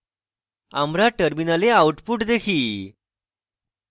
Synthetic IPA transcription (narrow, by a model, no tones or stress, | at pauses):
a̰mɾaʈəɾminaleauʈpuːʈd̪ekʰiː